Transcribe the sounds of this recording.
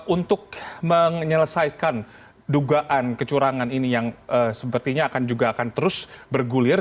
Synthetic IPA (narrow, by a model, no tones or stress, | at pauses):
ʔunt̪ʊk̚məŋɲələsajkan | duɡaʔankət͡ʃuɾaŋaninijaŋəsəpərt̪iɲaːkand͡ʒuɡaːkant̪əɾʊsbərɡulɪr